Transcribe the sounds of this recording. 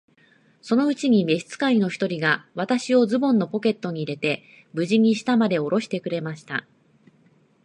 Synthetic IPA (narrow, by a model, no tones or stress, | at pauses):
so̞no̞ɯ̟t͡ɕiɲ̟ime̞ɕi̥t͡sɨ̥kaino̞çi̥t̪o̞ɾʲiɡaβ̞at̪aɕio̞zɨbõ̞nːo̞po̞ke̞t̪ːo̞ɲ̟iːɾe̞t̪e̞ | bɯ̟ʑiɲ̟iɕi̥t̪amad̪e̞o̞ɾo̞ɕi̥t̪e̞kɯ̟ɾe̞maɕi̥t̪a̰